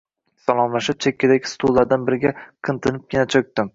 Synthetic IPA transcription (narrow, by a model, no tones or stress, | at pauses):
salˠɒmlˠaʃɪp̚t͡ʃʰekʲʰːɪd̪aɡʲɪ̥st̪ʰulːˠaɾd̪anbɪɾɪɡʲaqʰɨnt̪ʰɪnɪp̚kʲɪnat͡ʃʰɵk̚ʲt̪ɪm